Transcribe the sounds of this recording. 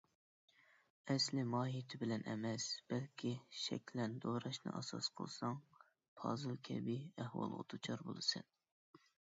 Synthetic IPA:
ɛslɪmɑːɦit̪ʰɪbɪlɛnʔɛ̰mɛsb̥ɛlkʲʰiʃɛ̰kʲʰlɛnd̪oɾɑʃnɨ̰ʔɑsɑ̰sqʰəlˠsɑŋ | pʰɑ̰ːzɨlˠkʲʰɛ̰biæhwɑ̰lˠʁʊ̰t̪ʰut͡ʃʰɑɾbolˠɨsɨn

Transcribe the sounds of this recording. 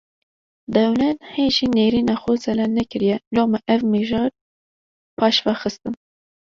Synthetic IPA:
d̪ɛwlɛnheːʒineːɾiːnɑːxʊzɛlɛnɛkɨɾijɛloːmɛʔɛvmiʒɑːɾ | pʰɑːʃvɑxɨst̪ɨn

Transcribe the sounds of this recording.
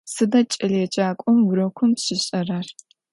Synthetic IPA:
sɨdɐt͡ʃʼɪlɛt͡ʃʼaːkʷʼɔmwʊɾɐkʷʰʊmɕɪɕʼɐraːr

